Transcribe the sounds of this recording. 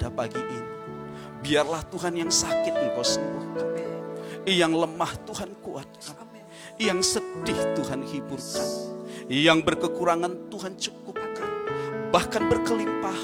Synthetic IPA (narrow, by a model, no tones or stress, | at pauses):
dapaɡiʔini | biarlaht̪uɦanjaŋsakɪt̪̚dibɔsnuhkan | jaŋləmaht̪uɦankuat̪̚kan | jaŋsədɪht̪uɦanhibʊrkanjaŋbərkəkuɾaŋant̪uɦant͡ʃukʊp̚kanbahkanbərkəlimpah